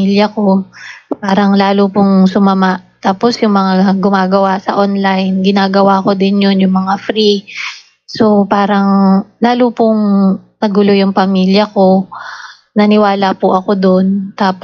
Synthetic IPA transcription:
iljɐko̞paːɾɐŋlaːlupʊŋsʊmɐmaʔt̪aːpo̞sjʊŋmɐŋaaɡʊmaːɡɐwasɐʔonlajnɡɪnaːɡɐwako̞d̪ɪnjonjʊŋmɐŋafɾi | sopaːɾɐŋlaːlupʊŋnɐɡʊlojʊŋpɐmiːljɐko̞ | nɐnɪwaːlapʊʔɐko̞d̪ont̪aːp

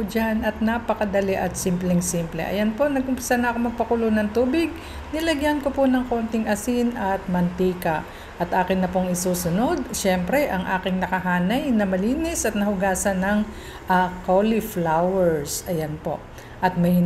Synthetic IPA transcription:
pd͡ʒanɐt̪̚napɐkɐd̪ɐlɛʔɐt̪simplɛŋsimplɛ̰ʔɐ̰jɐnpo̞nɐɡʔʊmpɪ̥sanɐʔɐko̞mɐɡ̚pɐkulonɐŋt̪uːbɪɡ̚ | nɪlɐɡjankoponɐŋko̞nt̪ɪŋʔɐsinʔɐt̪̚mɐnt̪iːkɐ | ʔɐt̪ʔaːkɪnːɐpoŋɪsuːsʊno̞d̪̚ʃɛmpɾɛʔɐŋʔaːkɪŋnɐkɐɦaːnɐjnɐmɐliːnɛsʔɐt̪nɐhʊɡaːsɐnɐŋ | ʔakolɪflawɛɹsʔɐjanpo̞̰ʔ | ʔɐt̪̚mɐjɪ

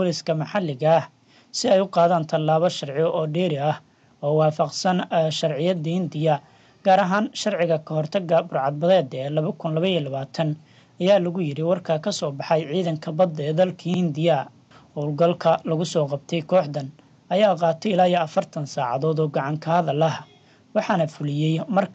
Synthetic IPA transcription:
bɔlɪskʰɐmɑħɑlːɪɣɐh | sɪɛjʊqɑːðaːnt̪ʰɐlːaːβɐʃɐrʕɪjɔʔɔːɖɛːɾɪɐh | ɔːwɑːfɑqsɐnʃɐrʕɪjɐd̪ɐhɪnd̪ɪjɐ | ɡ̥aːɾɐɦaːnʃɐrʕɪɣɐkʰɐɦɔrt̪ʰɐɡɐbʊrʕɑd̪̚bɐðɛːd̪ɛːlɐβɐkʰʊnlɐβɐilɐβaːt̪ʰɐn | ɐjaːlɐɣʊjɪɾɪwɑrkʰɐkʰɐsɔːbɑħɑjʕiːðɐŋkʰɐbɐd̪ɛːd̪ɐlkʰihɪnd̪ɪjɐ | hɔːlɡɐlkʰɐlɐɣʊsɔːqɑb̚t̪ʰɛjkʰɔːħd̪ɐn | ʔɐjaːqɑːt̪ʰɛɪlaːjɐɐfɐrt̪ʰɐnsaːʕɑ̰ðɔːd̪ɔːɡɑʕɑŋkʰɐhɐðɐlɐɦ | wɑħɑnɐfʊlɪjɛjmɐr

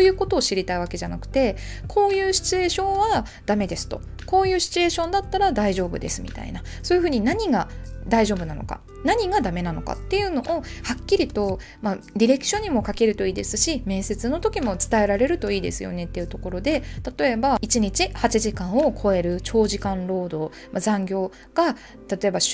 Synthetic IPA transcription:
ojɯ̟ːko̞t̪o̞ːɕiɾʲit̪aiβ̞ake̞ʑanakɯ̟̥t̪e̞ | kʰo̞ːjɯ̟ːɕi̥t͡sɨe̞ːɕõ̞ɰ̃βa | d̪̥ame̞d̪e̞sɨ̥t̪o̞̰ | ko̞ːjɯ̟ːɕi̥t͡sɨe̞ːɕõ̞nd̪at̪ːaɾad̪aiʑo̞ːbɯ̟̰d̪e̞sɨmʲḭt̪a̰ḭnaso̞ːjɯ̟ɸɯ̟ːɲ̟inaɲ̟iɡad̪aiʑo̞ːbɯ̟nano̞̰ka̰ | naɲ̟iɡad̪ame̞nano̞̰ka̰t̪ːe̞jɯ̟no̞ʔːhakʲːiɾʲit̪o̞ | maɾʲiɾe̞kɯ̥ɕõ̞ɲ̟ːimo̞kake̞ɾɯ̟t̪o̞iːd̪e̞sɨɕimẽ̞ːɰ̃se̞t͡sɨno̞t̪o̞kʲimo̞t͡sɨ̥t̪ae̞ɾaɾe̞ɾɯ̟t̪o̞iːd̪e̞sɨjo̞̰ne̞t̪ːe̞jɯ̟t̪o̞ko̞ɾo̞d̪e̞t̪at̪o̞e̞bait͡ɕiɲ̟it͡ɕihat͡ɕiʑikãɰ̃o̞kʰo̞e̞ɾɯ̟t͡ɕo̞ːʑikãnɾo̞ːd̪o̞ | mazãŋɡʲo̞ː | ɡ̥a | t̪at̪o̞e̞ba

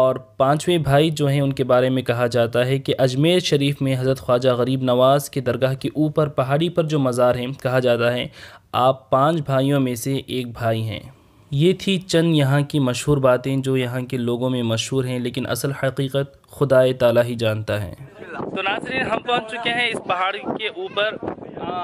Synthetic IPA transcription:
ɔːɾpãːt͡ʃwẽbʱaːid͡ʒoːɦɛ̃ʊnkebaːɾemẽkɐɦad͡ʒaːt̪aɦɛkeʔɐd͡ʒmeːlʃɐɾiːfmẽɦɐzɾət̪xwaːd͡ʒaɣɐɾiːbnɐʋaːzked̪ɐɾɡaːɦkeʔuːpəɾpɐɦaːɽipɐɾd͡ʒoːmɐzaːɾɦɛ̃kɐɦad͡ʒaːt̪aɦɛaːpːãːt͡ʃbʱaːijõmẽseʔeːk̚bʱaːiɦɛ̰̃ː | jeːt̪ʰit͡ʃɐ̃nd̪jɐɦãkimɐʃɦuːɾbaːt̪ẽd͡ʒoːjɐɦãkeloːɡõmẽmɐʃɦuːɾɦɛ̃leːkɪnʔɐ̰səlhɐqiːqət̪̚ | xʊd̪aːet̪aːlaːɦid͡ʒaːnt̪aɦɛ̰ːt̪onaːzɾiːnɦɐmpɐɦt͡ʃt͡ʃʊkeɦɛ̃ɪspɐɦaːɽikeʔuːpəɾ

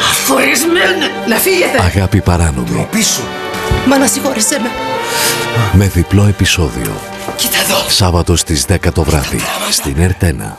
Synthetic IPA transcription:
ɐfoɾizmen | lɐfiʝet̪eɐɣɐpipɐɾɐno̞̰mḭpisu | mɐnɐsixoɾiseme | me̞ðiplo̞e̞piso̞ðḭo̞̰ | cit̪ɐðosɐvɐt̪o̞st̪izðe̞kɐt̪o̞vɾɐðḭst̪ine̞ɾt̪e̞nɐ̰

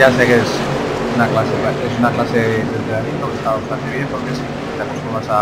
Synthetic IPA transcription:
asekes | unaklasepaesunaklaset̪ent̪eɾaɾit̪okest̪aβet̪ant̪eβjempoɾkesi | t̪akost̪oβasa

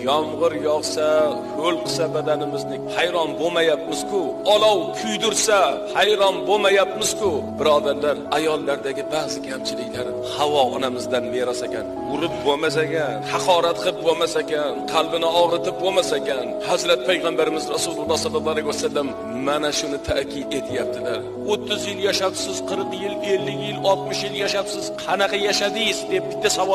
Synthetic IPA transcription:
jɒmʁɨɾjɒʁsaholˠqʰɨ̥sabad̪anɪmɪznɪhajɾɒnbomajap̚mɪz̥kʰʊɒlˠɒwkʲʰʊjd̪ʊɾsahajɾɒnbomajap̚mɪz̥kʊbɪɾɒd̪aɾlaɾajɒlˠːaɾd̪aɡʲɪbaːzɪkʲʰamt͡ʃʰɪlɪkʲlaɾ | hawɒɒnamɪzd̪anbeɾasakʲʰa̰n | ʊɾɪp̚bomas̬akʲanhɑqɒɾat̪qʰɨp̚bomasakʲanqʰɑlˠbɪnɪɒʁɾɪt̪ʰɪp̚bomasakʲanhazɾat̪̚pʰajʁambaɾɪmɪzɾasulˠʊbasɒb̪abalɪɡʲosad̪ɪm | mːanaʃʊnɪt̪ʰa̰kʲʰɪd̪e̞t̪ʰɪjap̚t̪ʰɪlaɾ | ot̪ʰːɪzjɪljaʃapsɪz̥qʰɨɾqjɪle̞lːɪkʲjɪlɒlˠt̪̚mʊʃjɪljaʃapsɪz̥qʰɑnɑqɑjaʃad̪ɪjɪzd̪e̞p̚bɪ̥t̪ːasavɒ

